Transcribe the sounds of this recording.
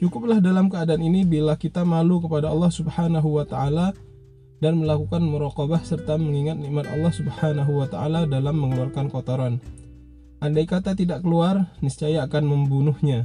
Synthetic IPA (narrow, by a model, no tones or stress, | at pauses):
t͡ʃukʊp̚lahdalamkəadaːninibilahkit̪amalukəpadaɑlːɑhsubhanaɦuwat̪aʔala | danməlakukanmuɾaqɔbahsərt̪aməŋiŋat̪̚niʔmat̪ɑ̰lːɑhsubhanaɦuwat̪aʔaladalamːəŋəluarkankɔt̪oɾan | ʔandajkat̪at̪idaʔkəluarnist͡ʃajaːkanməmbunʊhɲa